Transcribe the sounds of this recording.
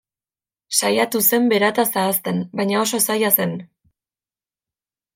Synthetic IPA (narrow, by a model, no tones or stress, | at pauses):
sajat̪use̞mbe̞ɾat̪asaːst̪e̞nbajɲao̞so̞sajase̞n